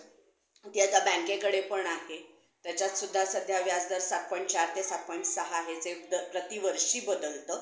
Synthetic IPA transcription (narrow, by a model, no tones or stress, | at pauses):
t̪iat̪abɛ̃ŋkẽkəɽepəɳaɦe | t̪jat͡ɕjat͡s̪sud̪ʱːasəd̪ʱjaʋjad͡zd̪əɾsak̚pɔjɳʈ̚t͡ɕaɾt̪esak̚pɔj̃ɳʈsəɦaːɦed͡zed̪əpɾət̪iʋəɾʂiːbəd̪əlt̪əː